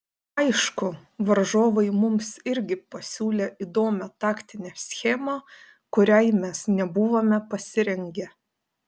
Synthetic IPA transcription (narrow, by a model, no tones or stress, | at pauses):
ɐɪʃkʊʋɐɾʒoːʋɐɪmʊmsɪɾʲɡʲɪpɐsʲuːlʲeːɪd̪oːmʲɛt̪ɑːkt̪ʲɪnʲeːsʲxʲɛmɐ | kʊɾʲɛɪmʲɛsnʲɛbuʋomʲɛpɐsʲɪɾʲɛŋʲɡʲɛ